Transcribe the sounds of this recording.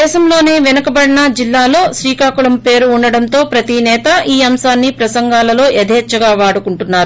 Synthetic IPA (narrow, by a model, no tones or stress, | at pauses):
ɛːʃɐmlo̞ːne̞ːʋinɐkɐbɐɽinɐd͡ʒilːaːlo̞ːʃɾiːkaːkuɭɐmpe̞ːɾuːɳɖɐɽɐnt̪o̞ːpɾɐt̪inɛːt̪ɐʔiːɐmsaːnːipɾɐsɐŋɡaːlɐlo̞ːʔed̪ʱeːt͡ʃːɐɡaːʋaːɽukuɳʈunːaːɾu